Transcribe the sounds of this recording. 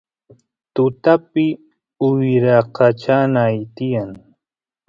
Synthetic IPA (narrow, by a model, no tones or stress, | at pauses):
t̪ʊt̪apɪ | ʊjɾaqʰɑt͡ʃanaːjt̪ɪjaŋ